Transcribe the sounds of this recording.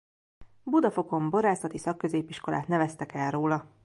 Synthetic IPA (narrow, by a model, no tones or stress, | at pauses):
bud̪ɒfo̞ko̞mbo̞ɾaːsɒt̪isɒkːø̞zeːpiʃko̞la̰ːt̪nɛvɛst̪ɛkɛlroːlɒ